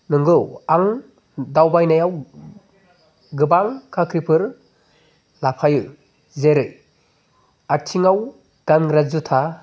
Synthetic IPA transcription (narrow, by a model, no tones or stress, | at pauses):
nɯŋɡɯwaŋ | dawbajnajaw | ɡɯbaŋkʰakʰɾipʰɯɾ | lapʰajɯ | zeɾɯj | atʰiŋaw | ɡ̥anɾazutʰa